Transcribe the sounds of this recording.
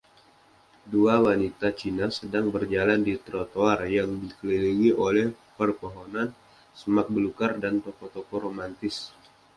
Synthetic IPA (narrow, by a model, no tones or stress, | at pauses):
duawanit̪at͡ʃinasədaŋbərd͡ʒalandit̪ɾot̪oarjaŋdikəliliŋiʔolɛh | pərpoɦɔnan | səmak̚bəlukardant̪okɔt̪okɔɾomant̪ɪs